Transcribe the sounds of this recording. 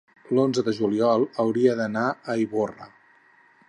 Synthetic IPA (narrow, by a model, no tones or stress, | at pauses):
lonzəðəʒuliɔlˠəwɾiəðənaəiβorə